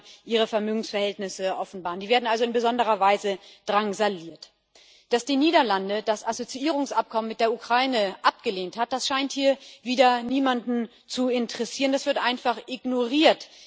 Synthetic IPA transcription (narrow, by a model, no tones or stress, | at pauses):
ʔiːʁ̞əfɛɐmøːɡŋ̩sfɛɐhɛltnɪsəʔɔfn̩baːʁəndiːveːɐdn̩alzoɪnbəzɔndəʁ̞ɐvaɪzəd̥ʁaŋzaliːɐt | d̥asd̥iːniːdɐlandədasʔazot͡siʔiːʁ̞ʊŋsʔap̚kʰɔmənmːɪt̚d̥eːɐʔukʁ̥aɪnəʔap̚ɡ̥əleːnthat̚d̥asʃaɪnthiːɐviːdɐniːmandn̩ | t͡suɪntəʁ̥ɛsiːʁəndasv̥ɪɐtʔaɪnfaχʔɪɡnoʁiːɐt